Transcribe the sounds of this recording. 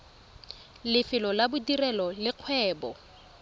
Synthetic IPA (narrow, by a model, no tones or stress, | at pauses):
lɪfɪlɔlabʊdirɛlɔlɪq͡χʰwɛːbɔ